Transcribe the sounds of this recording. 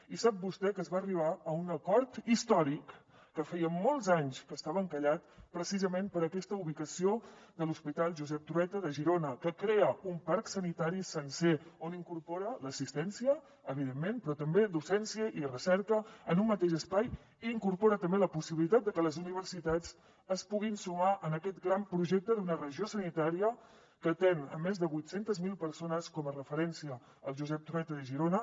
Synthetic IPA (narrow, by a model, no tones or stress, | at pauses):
isap̚bust̪ɛkəːzβaəriβ̞aəunəkɔɾt̪ist̪ɔɾikː | əfɛjəmɔlˠzaɲskəst̪aβəŋkəʎat̪pɾəsizəmempəɾəkɛst̪əuβikəsiod̪əluspit̪alˠʒuzɛp̚t̪ɾuɛt̪əðəʒiɾonəkəkɾeəumpaɾksənit̪aɾisənseoniŋkuɾpoɾələsist̪ɛnsiə | əβ̞iðemːenpɾɔt̪əmbed̪usɛnsiəʔirəsɛɾkəənumːət̪eʃəspaj | iːŋkuɾpoɾət̪əmbeləpusiβilit̪at̪̚d̪əkələzuniβ̞ərsit̪ad͡z | əspuɣinsumaʔənəkɛt̪ɡɾampɾuʒɛk̚t̪əðunərəʒiosənit̪aɾiə | kət̪enə̰mːezðəβujt̪sent̪əzmilˠpəɾsonəskɔmərəfəɾɛnsiə | əlˠʒuzɛp̚t̪ɾuɛt̪əðəʒiɾonə